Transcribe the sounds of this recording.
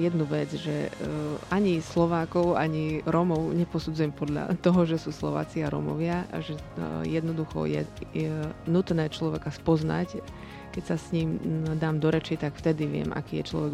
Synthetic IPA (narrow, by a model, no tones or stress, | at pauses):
jɛd̪nuʋɛd͡zʒɛ | aɲislɔʋaːkɔʊa̰ɲiɾɔmɔʊɲɛpɔsud͡zujɛmpɔd̪ʎa̰t̪ɔɦɔʒɛsuːslɔ̰ʋa̰ːt͡siaɾɔ̰mɔ̰ʋɪaʒɛ | jɛd̪nɔd̪uxɔ̰jɛ̰ɛnut̪nɛːt͡ʃlɔʋɛkaspɔzna̰c | kɛcsasɲiːmd̪aːmd̪ɔɾɛt͡ʃit̪akft̪ɛd̪iʋɪɛ̰mʔa̰kiːjɛt͡ʃlɔ̰ʋɛɡ